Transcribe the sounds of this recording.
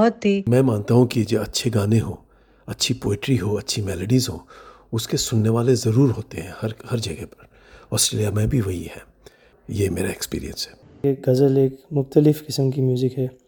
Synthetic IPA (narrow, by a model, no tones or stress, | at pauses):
bɦɔt̪imɛ̃ːmãːnt̪aɦũkid͡ʒoːɐtːʃʰeɡaːneɦoː | ɐtːʃʰipoːɪʈɾiɦoɐtːʃʰimɛːləɖizɦo̰ː | ʊskesʊnːeʋaːlezɐɾuːɾɦoːt̪eɦɛ̃hɐɾhɐɾd͡ʒɐɡɛpɐɾ | ɔːsʈɾeːlijamɛ̃bʱiʋɐɦḭhɛ̰ː | jeːmeːɾaekspḭːɾḭjə̰̃nsɦɛ̥ː | eːk̚ɡɐzəleːkmʊxt̪əlɪfkɪsəmk̬imjuːzɪkɦɛː